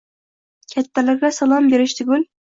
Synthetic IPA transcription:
kʲʰɛt̪ːælɪɾɡʲɛsɑlˠɑmbeɾɪʃt̪ʰyɡʲyl

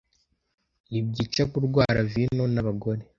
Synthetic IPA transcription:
ibɟiːt͡ʃakuɾɡwaːɾavinonaβaɡo̞ɾe̞

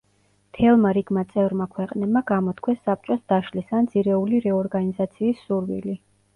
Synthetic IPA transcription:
t̪ʰɛlˠmaɾiɡmat̪sʼɛvɾmakʰwɛqʼnɛb̚maɡamɔt̪ʰkʰwɛsːap̚t͡ʃʼɔsd̪aʃlisand̪z̥iɾɛuliɾɛɔɾɡanizat̪sʰiːsːuɾwḭli

